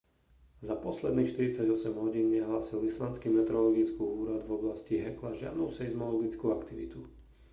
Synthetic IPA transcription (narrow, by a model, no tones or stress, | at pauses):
zapɔslɛd̪niːxʃt̪iɾit͡saɟɔsɛmɦɔɟiːnɲɛɦlaːsilislant͡skimɛt̪ɾɔlɔɡit͡skuːuːɾad̪vɔblasciɦɛklaʒɪa̰d̪nusɛizmɔlɔɡit͡skuakt̪iʋḭt̪u